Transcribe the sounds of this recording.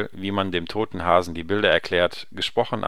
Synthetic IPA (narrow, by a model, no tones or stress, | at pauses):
viːmandeːmtʰoːtn̩ɦaːzn̩diːbɪldɐɛɐkl̥ɛːɐt | ɡ̥əʃpʁ̥ɔχn̩ʔ